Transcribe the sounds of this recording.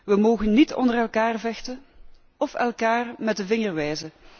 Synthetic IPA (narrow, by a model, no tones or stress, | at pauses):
ʋəmoːɣənːitʰɔ̰ndərɛlˠkaːrvɛxtə | ɔfɛlˠkaːrmɛt̚dəvɪŋərʋɛjzə